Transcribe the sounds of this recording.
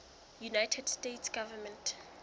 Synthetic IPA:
junajtʰɛdstetʰsɡ̥avɛmɛ̃ntʰ

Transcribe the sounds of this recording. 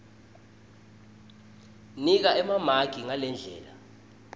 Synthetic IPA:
nik̬aɛmamaɡ̥ʱiŋalɛnd͡ɮʱɛ̰ːla

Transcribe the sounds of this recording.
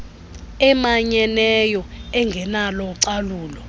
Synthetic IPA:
ɛmaɲɛnɛjɔɛŋɡʱɛnalɔǀaluːlɔ

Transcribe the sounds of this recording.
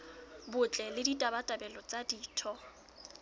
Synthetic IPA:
bʊt͡ɬʼɛlɪditʼabatʼabɛlɔt͡sʼadiːtʰɔ

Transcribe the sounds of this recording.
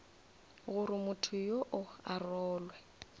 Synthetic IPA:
ɣʊɾɪmʊtʰʊjoʔʊarɔːlwɛ

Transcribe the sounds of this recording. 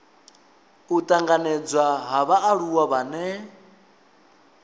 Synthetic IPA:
ut̪ʼaŋɡanɛd͡zwaɦaβaʔːɺuwaβanɛ

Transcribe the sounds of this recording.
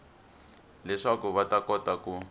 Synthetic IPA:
lɛʂakuβatakɔtaku

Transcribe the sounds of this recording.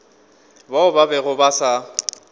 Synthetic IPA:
baʊbabɛɣʊbasa

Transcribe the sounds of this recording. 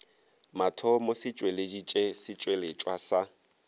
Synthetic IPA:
matʰɔmosɪt͡ʃʼweled͡ʒit͡ʃʼesɪt͡ʃʼwelet͡ʃʼwasa

